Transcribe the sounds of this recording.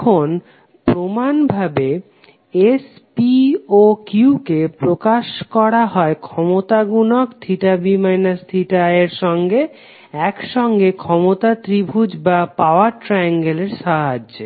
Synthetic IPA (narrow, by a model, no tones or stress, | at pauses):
on | pɾomanbʱabe | es | piokuukepɾokaʃkɔɾaɦɔekʰɔmot̪aɡunokt̪ʰiʈabimajnast̪ʰiʈaeɾʃɔŋɡe | ɛkʃɔŋɡekʰɔmot̪at̪ɾibʱud͡ʑbapaoaɾʈɾajaŋɡeleɾʃaɦad͡ʑ